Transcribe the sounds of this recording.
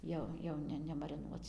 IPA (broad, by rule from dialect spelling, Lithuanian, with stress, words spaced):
ˈjɛʊ ˈjɛʊ nʲɛ nʲɛmɐrʲɪˈnuɔt͡s